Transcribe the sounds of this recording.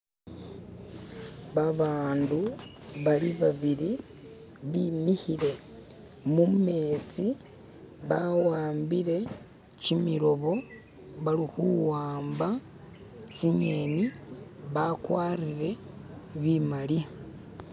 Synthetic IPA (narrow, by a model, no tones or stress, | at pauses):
βaβaːndu | βaliβaβiɾi | βimihiɾe̞ | mume̞ːt͡si | βawaːmbiɾe̞ | cimiɾo̞βo̞ | βalixuwaːmba | t͡siɲeniβakwaːriɾe̞ | βimali